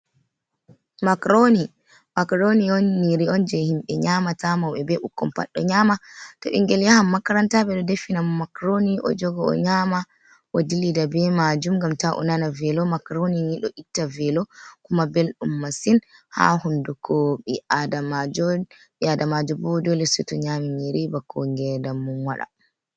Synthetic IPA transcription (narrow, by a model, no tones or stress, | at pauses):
makɾoni | makɾoniɔnːiɾiɔnd͡ʒɛhimɓɛɲamatamawɛbɛʔukːɔmpa̰ɗːɔ̰ɲamatɔʔḭŋɡɛljahamːakaɾantabɛɗɔdefinammakɾoniʔɔ̰d͡ʒɔɡɔɔ̰ɲama | wodilidabɛmad͡ʒumŋɡamtaʔɔ̰nanavɛlɔmakɾoniniɗɔʔitːavɛlɔkumabelɗumːasinha̰hundukʰoɓiʔadamad͡ʒɔ | iadamad͡ʒɔbɔdɔlɛsɔtɔɲamiɲiɾibakʰːɔŋɡɛdamːunwaɗa̰